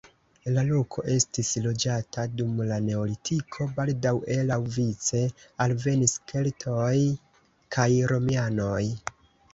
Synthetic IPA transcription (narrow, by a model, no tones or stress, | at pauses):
lalo̞kʰo̞ʔe̞stislo̞d͡ʒatʰadumlane̞olitʰikʰo̞baldawʔe̞lawvit͡se̞alve̞niskʰe̞ltʰoj | kʰajɾo̞miano̞j